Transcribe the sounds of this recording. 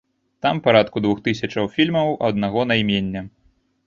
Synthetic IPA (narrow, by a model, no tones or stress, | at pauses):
t̪ampaɾat̪kud̪vuxt̪ɨs̬ʲɐt͡ʂɐwfʲilʲmɐwʔɐd̪naɣɔnajmʲenʲːɐ